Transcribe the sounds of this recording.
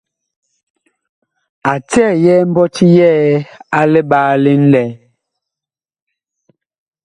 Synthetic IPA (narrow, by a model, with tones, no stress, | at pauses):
a˨tɛ˦˨jɛ˦m̩˦bɔ˦ti˦jɛː˦a˦lɛ˦ɓaː˦le˦n̩˦lɛ˨˦